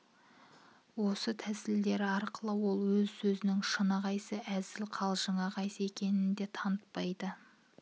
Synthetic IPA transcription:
wo̞sət̪ʰæsɪld̪e̞ɾɪɑɾqəlˠəwo̞lˠwɵzsɵzɪnɪŋʃənɑʁɑjsəʔæzɪlqʰɑlˠʒəɴɑʁɑjsəe̞kʲʰe̞nɪnd̪e̞t̪ʰɑnət̪̚pɑjd̪ə

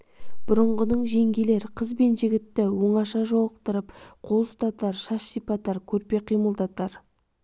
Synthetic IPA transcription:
b̥ʊɾəɴʁənəɴʒe̞ŋɡʲele̞ɾqʰəzbe̞nʒɪɡʲɪt̪ːɪwo̞ɴɑʃɑʒolˠəq̚t̪əɾəpqʰo̞lˠst̪ɑt̪ːˠɑɾʃɑʃsijpɑt̪ːɑɾkʲʰɵɾpe̞qʰijməlˠd̪ɑt̪ːɑɾ

